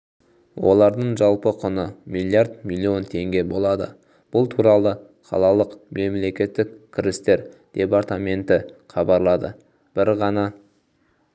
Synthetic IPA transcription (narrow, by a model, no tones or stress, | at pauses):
wo̞lˠɑɾd̪əɴʒɑlˠpəqʰʊnəmʲilʲˠiaɾd̪milʲˠːio̞nt̪ʰe̞ŋɡʲe̞bo̞lˠɑd̪ə̰ | b̥ʊlˠt̪ʰuɾɑlˠə | qʰɑ̰lˠɑlˠəqmʔe̞mle̞kʲe̞t̪ːɪkʲkʲʰɪɾɪst̪e̞ɾd̪̥e̞part̪amʲe̞nt̪ɪχʰɑbɑɾlˠɑd̪ə̰ | b̥ɪɾʁɑnɑ